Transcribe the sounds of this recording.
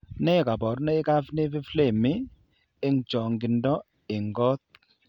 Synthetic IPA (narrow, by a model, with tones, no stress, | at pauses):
nɛ˦˨ka˨bɔ˨ɾnɛ˦ɪ˦ka˦fne˦fɪ˦fle˨mɪ˦ | ɪ˦ŋt͡ʃɔ˨ŋɡɪ˨ndɔ˦ | ɪ˨ŋɡɔ˦t̪̚